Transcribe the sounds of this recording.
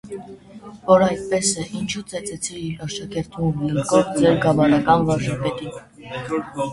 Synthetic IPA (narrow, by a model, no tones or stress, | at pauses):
vɔɾɑjt̪̚pɛsɛʔint͡ʃʰut͡sɛt͡sɛt͡sʰiːɾɑɾʃɑkɛɾt̪ʰumjəɾkɔvd͡zɛɾɡɑmɑɾɑkɑnvɑɾʒɑpɛt̪in